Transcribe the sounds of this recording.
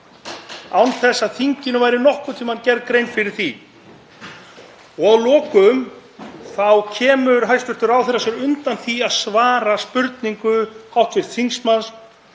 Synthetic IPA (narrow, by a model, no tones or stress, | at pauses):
awnθɛsːaðθiɲcɪnʏvajɾɪnɔhkʏt̪ʰimancɛɾðkɾejnfɪɾɪɾ̥θi | ɔɣawlɔːkʏm | θawcʰɛːmʏɾ̥ɦajst̪ʏr̥t̪ʏɾawθɛrasɛɾʏnt̪anθiaðsvaːɾaspʏɾt̪niŋkʏhawht̪sjɛɾ̥θiŋksmans